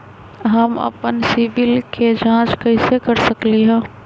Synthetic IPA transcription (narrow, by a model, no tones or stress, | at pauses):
ɦɐmɐ̰pənsɪʋɪlked͡ʒãːt͡ʃkɐɪsekəɾsəkliɦɛ̃ː